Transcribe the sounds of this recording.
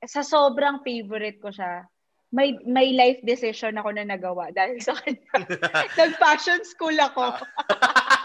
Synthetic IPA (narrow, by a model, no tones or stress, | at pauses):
sɐsoːbɾɐŋfejvoɾɪt̪̚koʃa | mɐjmɐjlajfd̪ɪsɪʃonɐko̞nɐnɐɡɐwaʔd̪aːhɪlsɐkʰɐɲanɐɡ̚paʃonskuːlɐko